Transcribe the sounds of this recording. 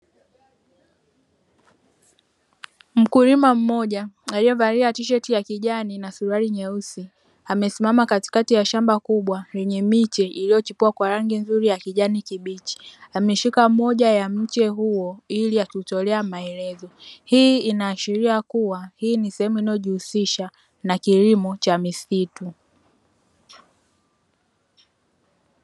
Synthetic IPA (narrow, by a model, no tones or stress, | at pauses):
m̩kuɾimam̩mɔʄaaliɔvaɾiɾatiʃ̬ɛtijakiʄaninasuɾaɾiɲɛusi | amɛsimamakati̥katijaʃambakuɓwajɛɲɛmit͡ʃɛʔilijɔt͡ʃipuwakwaɾaŋɡinzuɾijakiʄanikiɓit͡ʃi̥amɛʃikamɔʄajam̩t͡ʃɛɦuɔiliatutɔlɛamaɛlɛzɔhiːinaːʃiɾiakuwahiːnisɛhɛmuinajɔʄihusiʃa | nakilimɔt͡ʃamisitu